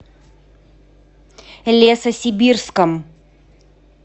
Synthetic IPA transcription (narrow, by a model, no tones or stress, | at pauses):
lʲesəsʲɪbʲirskəm